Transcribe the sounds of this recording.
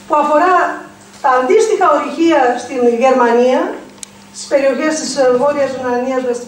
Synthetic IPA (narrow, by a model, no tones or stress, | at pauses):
puɐfo̞ɾɐ | t̪ɐːnd̪ist̪ixɐo̞ɾiçiɐst̪inʝe̞ɾmɐniɐ | st̪i̥spe̞ɾio̞çe̞st̪isɣo̞ɾiɐzvunɐniɐzɣɐs